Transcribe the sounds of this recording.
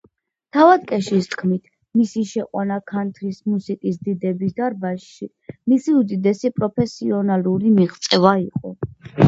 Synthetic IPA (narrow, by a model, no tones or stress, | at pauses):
t̪ʰavad̪̚kʼɛʃist̪ʰkʰmit̪ʰ | misiʃɛqʼwanakʰant̪ʰɾismusikʼisd̪id̪ɛbisd̪aɾbaʃ | i | misiud̪id̪ɛsipʼɾɔpʰɛsiɔnaluɾimiʁt̪sʼɛvaiqʼɔ